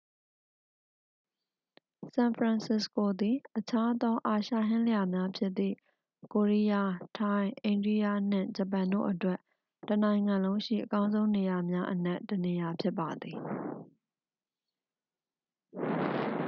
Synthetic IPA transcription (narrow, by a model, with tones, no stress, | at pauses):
sã˨npʰɹã˨nsɪ˨sko˨d̪i˨ʔət͡ɕʰa˦ʔd̪ɔ˦ʔa˨ʃa̰˦˨ɦɪ̃˦lə˨ja˨mja˦pʰjɪ˦t̪ːḭ˦˨ | ko˨ɹi˦ja˦˨tʰã˦ɪ̃ʔẽ˨ɪ̃ndɹi˦ja̰˦˨n̥ɪ̰̃˦˨d͡ʑə˨p̬ã˨ndo̰˦˨ʔətwɛ˦ʔ | tənã˨ɪ̃ŋã˨lõ˦ʊ̃ʃḭ˦˨ʔəkã˦ʊ̃nzõ˦ʊ̃ne˨ja˨mja˦ʔən̥ɛ˦ʔtːəne˨ja˨pʰjɪ˦pːa˨d̪i˨